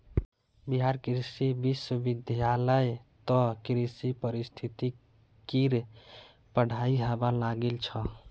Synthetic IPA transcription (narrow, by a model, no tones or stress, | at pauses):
biɦaɾkiɾsibisəbid̪ʱjaləjt̪ɔkɾisipəɾist̪ʰit̪i | kiɾ | pəɽ̤aiɦəbalaɡelt͡ʃʰə